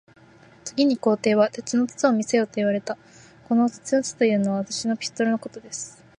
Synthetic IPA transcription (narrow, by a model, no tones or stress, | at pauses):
t͡sɨɡʲiɲ̟iko̞ːt̪e̞ːβat̪e̞t͡sɨno̞t͡sɨ̥t͡sɨomʲise̞jo̞ːt̪o̞iβaɾe̞t̪a | ko̞no̞t͡sɨ̥t͡sɨjot͡sɨ̥t̪o̞jɯ̟ːno̞βaβat̪aɕino̞pʲi̥t̪ːo̞ɾɯno̞ko̞t̪o̞d̪e̞sɨ̥